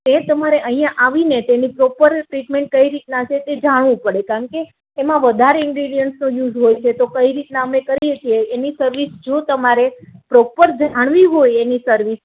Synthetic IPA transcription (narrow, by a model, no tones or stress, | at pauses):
t̪et̪əmaɾeʔəɦĩjãʔaʋinet̪enipɾɔpəɾʈɾiʈmẽɳʈ̚kəiɾit̪nat͡ʃʰet̪ed͡ʒaɽ̃ʋũpəɽekaəɳkeː | mãʋəd̪ʱaɾeɪŋɡɾiɖijənsnũjud͡ʒɦojt͡ʃʰet̪okəiɾit̪naəmekəɾijet͡ʃʰieːnisəɾʋisd͡ʒot̪əmaɾepɾɔpəɾd͡ʒaɽ̃ʋiɦojenisəɾʋis